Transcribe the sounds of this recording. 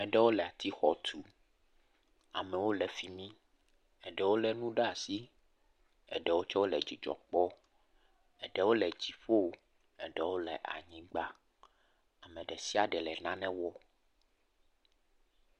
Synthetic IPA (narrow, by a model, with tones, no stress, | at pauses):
mɛ̃˨ɖɛ˦wo˦lɛ˨a˨t̪i˦xɔ˨t̪ʰu˨ | a̰˨mɛ̃˨wo˦lɛ˨fi˨mĩ˦ | ɛ˨ɖɛ˨˦wo˦lɛ˨nũ˦ɖa˦a˨si˦ | ɛ̰˨ɖɛ˨wo˦t͡ʃɔ˦wo˦lɛ̰˨d͡ʑi˨d͡ʒɔ̰˨k͡pɔ˦ | ɛ˨ɖɛ˦wo˦lɛ˨d͡ʑi˨ɸo˦˨ | ɛ˨ɖɛ˦wo˦lɛ̰˨ʔa̰˨ɲĩ˦ɡ͡ba˦ | a˨mɛ̃˨ɖɛ˨si˦a˨ɖɛ˨lɛ˨nã˦nɛ̃˦wɔ˦